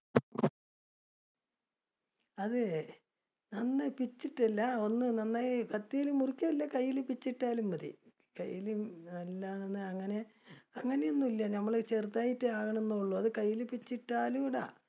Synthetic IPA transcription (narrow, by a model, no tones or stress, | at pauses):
ɐðɨ | nɐnːɐpit͡ɕːiʈːɐlːɐo̞nːɨnɐnːɐkɐt̪ːijilumːurikʲːɐɐlːɐkɐjːilpit͡ɕːiʈːaːlumːɐðḭ | kɐ̰jːilumɐlːaenːɨɐŋːɐne̞ɐŋːɐne̞jonːumilːɐnɐmːɐɭt͡ɕert̪ːaːjitːɨaːɣɐɳenːuuɭːoɐðɨkɐjːilpit͡ɕːiʈːaːluiɽa̰